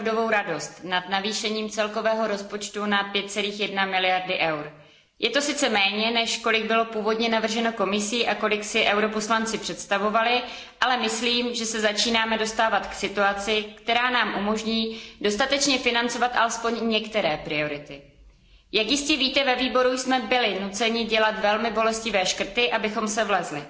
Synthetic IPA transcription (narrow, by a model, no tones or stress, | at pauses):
vdo̞vo̞wɾado̞st̪nad̪naviːʃɛɲiːmt͡sɛlko̞vɛːɦo̞ɾo̞spo̞t͡ʃt̪unapjɛt̪̚t͡sɛliːxjɛdnamɪlɪjaɾdɪʔɛwɾ | jɛt̪o̞sɪt͡sɛmɛːɲɛnɛʃko̞lɪɡ̚bɪlo̞puːvo̞dɲɛnavr̩ʒɛno̞ko̞mɪsiːʔako̞lɪksɪʔɛwɾo̞po̞slant͡sɪpr̝̥ɛt̪st̪avo̞valɪ | ʔalɛmɪsliːmʒɛsɛzat͡ʃiːnaːmɛdo̞st̪aːvat̪ksɪt̪uat͡sɪkt̪ɛɾaːnaːmʔumo̞ʒɲiːdo̞st̪at̪ɛt͡ʃɲɛfɪnant͡so̞vat̪ʔa̰lɛspo̞ɲɲɛkt̪ɛɾɛːpɾɪo̞ɾɪt̪ɪ | jakjɪscɛviːt̪ɛvɛviːbo̞ɾujsmɛbɪlɪnut͡sɛɲɪɟɛlat̪vɛlmɪbo̞lɛscɪvɛːʃkr̩t̪ɪʔabɪxo̞msɛvlɛzlɪ